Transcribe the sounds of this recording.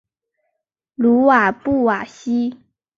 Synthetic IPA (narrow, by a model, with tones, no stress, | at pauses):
lu˧˥wa˨˩pu˥˩wa˨˩ɕi˥